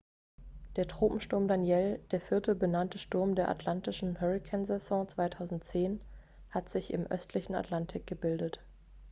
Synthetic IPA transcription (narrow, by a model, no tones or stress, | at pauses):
d̥eːɐtʁ̥oːpm̩ʃtʊɐmdanjɛld̥eːɐfɪɐtəbənantəʃtʊɐmdeːɐʔa̰tʰlantɪʃn̩hœʁɪkʰɛnzɛzɔ̃ːt͡sv̥aɪtʰaʊzn̩tt͡seːn | hatz̥ɪçɪ̰mʔœ̰stʰlɪçn̩a̰tʰlantʰɪk̚ɡ̥əbɪldət